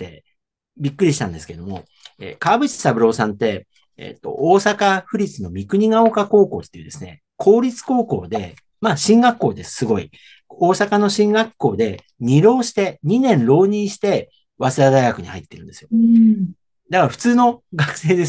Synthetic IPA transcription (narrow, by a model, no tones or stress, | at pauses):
t̪ːe̞̰ | bʲikːɯ̟ɾʲiɕi̥t̪ã̰nd̪e̞sɨ̥ke̞ed̪o̞mo̞̰ | ḛːkaːbɯ̟ɕi̥sabɯ̟ɾo̞ːsãnt̪e̞ | ḛt̪ːo̞̰ʔoːsakaɸɯ̟ɾʲit͡sɨno̞mʲikɯ̟ɲ̟iɡao̞kako̞ːko̞ːt̪ːe̞iɯ̟d̪e̞sɨne̞̰ | kʰo̞ːɾʲit͡sɨ̥ko̞ːko̞ːd̪e̞ | maːɕĩŋɡakːo̞ːd̪e̞sɨ̥sɨɡo̞ḭ | o̞ːsakano̞ɕĩŋɡakːo̞ːd̪e̞ | ɲ̟iɾo̞ːɕi̥t̪e̞ɲ̟inẽ̞nɾo̞ːɲ̟ĩɰɕi̥t̪e̞ | βasɨɾad̪aiɡakɯ̟ɲ̟ihait̪ːe̞ɾɯ̟nd̪e̞sɨjo̞ | d̪akaɾaɸɯ̟̥t͡sɨːno̞ɡakɯ̟̥se̞ːd̪e̞